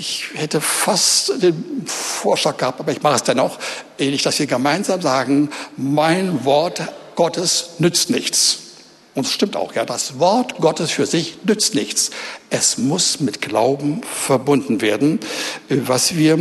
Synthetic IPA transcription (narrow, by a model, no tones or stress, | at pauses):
ʔɪçhɛtəfastd̥eːnfoːɐʃlaːk̚ɡəhaːp̚tʔaːbɐɪçmaχəsd̥ɛnaχɛnɪçd̥asv̥iːɐɡəmaɪnzaːmzaːɡŋ̩maɪnvɔɐtɡ̥ɔtʰəsnʏt͡stnɪçt͡s | ʔʊntdasʃtɪmta̰ʊxjaːdasv̥ɔɐtɡ̥ɔtəsfyːɐzɪçnʏt͡stnɪçt͡sʔɛsmʊsmɪtɡ̥laʊbm̩fɛɐbʊndn̩veːɐdn̩ʔvasv̥iːɐ